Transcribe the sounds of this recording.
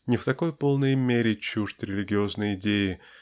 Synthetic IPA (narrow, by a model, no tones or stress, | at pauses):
nʲɪft̪ɐko̞jpo̞lˠnəjmʲeɾʲɪt͡ɕuʐt̪ʲɾʲɪlʲɪɡʲɪo̞znəjɪdʲejɪ